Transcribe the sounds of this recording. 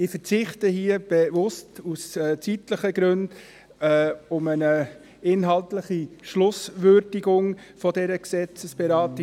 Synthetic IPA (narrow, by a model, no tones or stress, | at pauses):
ɪfəɾt͡sɪχtəhiːəb̥evʊstust͡sitləχəɡ̥ɾɵnd | ʊmənə | ɪnɦɑltləχiʃlʊsvøɾdɪɡʊŋfɔdɛɾəksɛt͡səsb̥ɛɾɑːtɪ